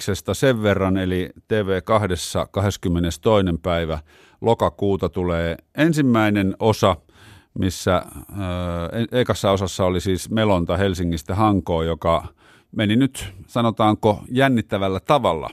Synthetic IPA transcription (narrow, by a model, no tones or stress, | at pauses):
sest̪ɑseʋʋerːɑnelit̪eːʋeːkɑhdesːɑ̰kɑheskymːenest̪oinempæiʋæ | lokɑkuːt̪ɑt̪uleːensimːæinenosɑ | misːæ̰ | eeikɑsːɑosɑsːɑolisiːsmelont̪ɑhelsiŋːist̪æhɑŋkoːjokɑ | meninyt̪sɑnot̪ɑːŋkojænːit̪ːæʋælːæt̪ɑʋɑlːɑ̰